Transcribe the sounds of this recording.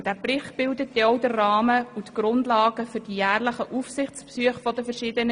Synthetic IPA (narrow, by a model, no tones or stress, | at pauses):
d̥æpɾɪχtb̥ɪldətdɛɔwdərːɑːməutɡ̥ɾʊndlɑːɡəfʏɾd̥ijæːrləχəʔufsɪχt͡spsyəχfɔdəfərʃɪːdənə